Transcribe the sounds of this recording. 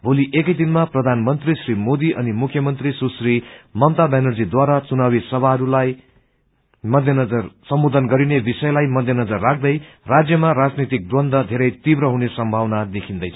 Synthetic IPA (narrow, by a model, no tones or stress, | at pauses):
bʱoliʔekʌjd̪inmaprʌd̪ʱanmʌnt̪risrimod̪iʔʌnimukʰːjʌmʌnt̪risusrimʌmt̪abanʌrd͡zid̪waɾat͡sunabisʌbʱaɦʌɾulaj | mʌd̪ʱjʌnʌd͡zʌrsʌmbod̪ʱʌnɡʌɾinebisʌjlajmʌd̪ʱjʌnʌd͡zʌrːakʰd̪ʌj | rad͡zjʌmarad͡znit̪ik̚d̪ʌnd̪ʱʌd̪ʱeɾʌjt̪ibrʌɦunesʌmbʱawnad̪ekʰind̪ʌjt͡sʰʌ